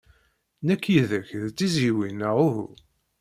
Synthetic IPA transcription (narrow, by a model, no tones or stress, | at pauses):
nækːjiðəçðt̪ːiziwinəʁuh